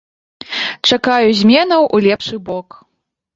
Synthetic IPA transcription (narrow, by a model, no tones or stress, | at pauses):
t͡ʂakajuzʲmʲɛnɐwʔulʲɛpʂɨbɔk